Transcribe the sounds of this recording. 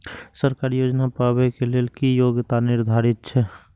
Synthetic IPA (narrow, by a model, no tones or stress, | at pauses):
səɾkaːɾijoːd͡ʒnapabekelelkijoɡt̪anɪɾd̪ʱaɾɪt̪̚t͡ʃʰɛ